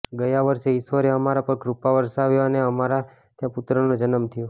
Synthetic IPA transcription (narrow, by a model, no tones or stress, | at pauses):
ɡəjaʋəɾseɪsʋəɾeəmaɾapəɾkɾupaʋəɾsaʋjoəneəmaɾa | t̪jãput̪ɾənod͡ʒənəmt̪ʰijo